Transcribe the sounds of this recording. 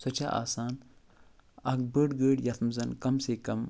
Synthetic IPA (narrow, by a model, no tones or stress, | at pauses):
sɐt͡ʃa̰ːʔa̰ːsaːn | ɐk̚bəːɖɡəːɖjɐt̪ʰmzɐnkɐmseːkɐm